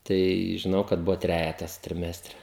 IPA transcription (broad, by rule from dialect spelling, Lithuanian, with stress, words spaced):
tɐɪ ʒʲɪˈnɐʊ kɐt ˈbʊʋoː ˈtʲrʲæːjɛtɐs tʲrʲɪˈmʲæːsʲtʲrʲɛ